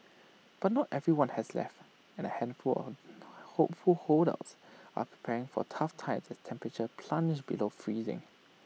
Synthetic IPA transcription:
b̥at̚nɔtɛvɹiwãnhɛslɛ̰ft | ɛ̃nəhɛ̃nfulɔ̰hopfulhoɾə̰lsʔa̰pʰɹi̥pʰɛɹɪ̃ŋfɔ̰tʰaftʰãɪ̃msɛstʰɛ̃mpɹət͡ʃəpʰlãnd͡ʒbilofɹizɪ̰̃ŋ

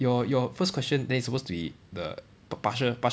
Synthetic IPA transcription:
jɔjɔfəskʰw̥ɛst͡ʃə̃ndɛ̃nisəpostubidə̰ | paʃəpa

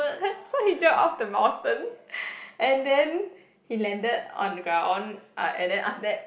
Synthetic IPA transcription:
sohid͡ʒɔʔɔfdəmãʊ̃ntə̃n | ʔɛ̃ndɛ̃n | hilɛ̃ndədɔ̰̃nɡɹãw̃nʔʔɛ̰̃ndɛ̃nʔa̰fdɛt̚

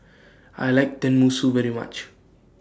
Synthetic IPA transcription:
a̰jlajk̚d̪ɛ̃nmusuvɛɾima̰t͡ʃ

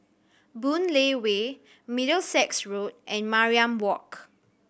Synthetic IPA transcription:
bũnlewe | midəlsɛksɹot̚ʔɛ̃nmaɹiãmwɔk

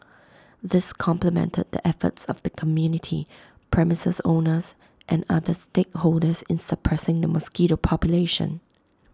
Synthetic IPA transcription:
ðɪskʰɔ̃mpləmɛ̰̃ntʰə̰d̪̚dḭʔɛfə̰tsɔvd̥̪əkʰɔmjunɪtʰḭ | pʰɹɛmɪsəsõnəs | ʔɛ̃naðəstekholdəsɪ̃nsəpʰɹɛsɪ̃ŋdəmɔskiɾopʰɔpjuleʃə̰̃n

